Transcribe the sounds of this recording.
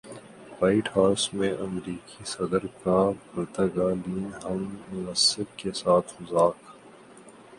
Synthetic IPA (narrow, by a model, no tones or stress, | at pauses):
waːɪʈhaːɾsmẽʔɐmɾiːkisɐd̪əɾkapɐɾt̪əɡaːliːnɦɐmːʊnɐsːɪbkesaːt̪ʰmʊzaːk